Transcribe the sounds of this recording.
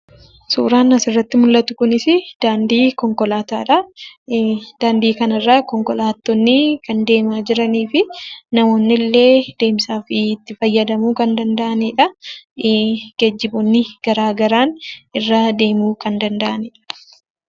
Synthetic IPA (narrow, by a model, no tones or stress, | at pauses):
sṵːɾaːnɐsɪrːɐt̪ːɪmʊlːɐt̪ʊkʊnɪsɪd̪̥aːnd̪iːkɔŋkɔlaːt̪aːᶑɐ | d̪̥aːnd̪iːkɐnɐrːaːkɔŋkɔlaːt̪ːɔnːɪkɐnd̪e̞ːmaːd͡ʒɪɾɐniːfɪnɐmo̞ːnːɪlːe̞ːd̪e̞ːmsaːfɪːt̪ːɪfɐjːɐd̪ɐmuːkɐnd̪ɐnd̪ɐʔɐniːᶑɐ | ɡ̥ɐd͡ʒːɪbʊnːɪɡ̥ɐɾaːɡɐɾaːnɪrːad̪e̞ːmuːkʰɐnd̪ɐnd̪ɐʔɐniːᶑɐ̥